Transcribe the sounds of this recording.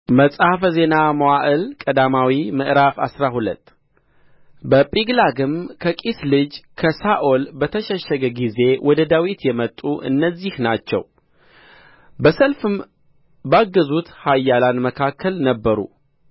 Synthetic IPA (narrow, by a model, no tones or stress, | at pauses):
məsʼhafəze̞namowaʔɨlkʼəd̪amawimɨʔɾafasɾahulə̰t̪ː | bəpʼiɡlaɡɨmkʰəkʼislɨd͡ʒkʰəsaʔo̞lbət̪ʰəʃɛʃːəɡəɡize̞wʔɔd̪əd̪awit̪jɛmət̪ʼːuʔɨ̰nːəzːihnat͡ʃːɛ̰w | bəsəlfɨm | baɡːəzut̪hajːalanməkʰakʰːəlnəbːəɾṵ